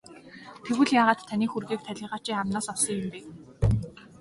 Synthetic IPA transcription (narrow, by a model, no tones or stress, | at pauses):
t̪ʰeɣɘ̆ɮjaːʁaːt̪ʰːaniːxurɣiːk̚t̪ʰæɮʲɪ̆ːʁḁːt͡ɕiːχamnɔːsɔwsɞ̆ŋjɪmpeː